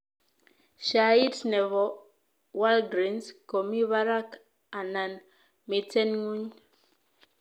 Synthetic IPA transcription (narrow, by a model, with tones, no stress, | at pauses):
ʃa˨i˦tnɛ˨βɔ˨ | wa˦lɡɾi˨˦nsko˨mi˦βa˦ɾa˦k | a˨na˨n | mi˨tɛ˦nŋu˦ɲ